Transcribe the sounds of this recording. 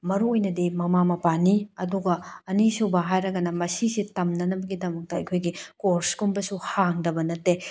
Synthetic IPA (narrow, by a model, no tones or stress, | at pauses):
mɐɾuojnɐdimɐmamɐpaniɐduɡɐɐnisubɐɦajɾɐɡɐnɐmɐsisitɐmnɐnɐbɐɡidɐmɐk̚tɐɐjkʰojɡikoɾskumbɐsuhaŋdɐbɐnɐtːe